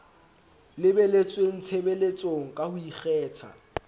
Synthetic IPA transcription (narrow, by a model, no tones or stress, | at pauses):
lɪbɛlet͡sʼweŋ̩t͡sʰebɛlet͡sʼoŋ̩kʼahʊiχɛːt͡sʰa̰